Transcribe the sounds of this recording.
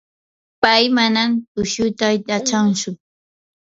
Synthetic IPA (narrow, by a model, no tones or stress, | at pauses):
pajmanamt̪ʊʃʊt̪ajt̪at͡ʃant͡ʃʊ